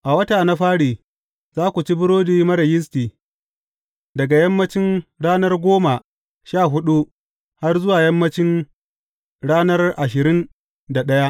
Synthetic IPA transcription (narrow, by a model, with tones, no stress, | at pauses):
ʔa˨wɐ˦taː˨na˦ɸaː˦ɽiː˨ | zaː˦kʷu˨t͡ʃi˦bʊ˦ɽoː˦diː˦mɐ˦ɾɐ˨jɪ˦s̬tiː˨ | dɐ˨ɡa˨jɐ˦mːɐ˦t͡ʃɪ˦nɽaː˦nɐ˦rɡʷoː˦ma˨ | ʃaː˦˨ɦʊ˦ɗu˦ | ha˦rzʊ˦waː˨jɐ˦mːɐ˦t͡ʃɪ˦n | ɽaː˦nɐ˦rʔa˨ʃ̬ɪ˨ɾɪ˦n | da˨ɗɐ˦ja˦ʔ